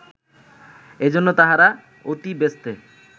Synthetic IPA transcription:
ed͡ʑonːot̪aɦaɾa | ot̪ibest̪e

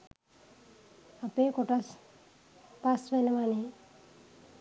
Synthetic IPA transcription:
apeːkoʈas | pasʋɛnəʋaneː

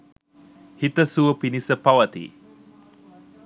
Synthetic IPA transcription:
hit̪əsuəpinisəpawat̪ḭ

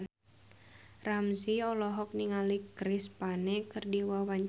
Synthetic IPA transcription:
ramsiɔlɔɦɔk̚niŋalikɾispanɛkɨrdiwawaɲ

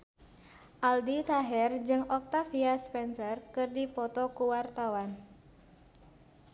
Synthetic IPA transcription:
ʔaldit̪aɦɛrd͡ʒɨŋɔk̚t̪afiaspɛnsərkɨrdipɔt̪ɔkuwart̪awan

